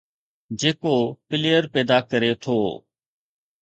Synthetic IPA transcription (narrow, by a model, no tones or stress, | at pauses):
d͡ʒeːkoːpɪleːəɾpɛːd̪aːkəɾeːt̪ʰoː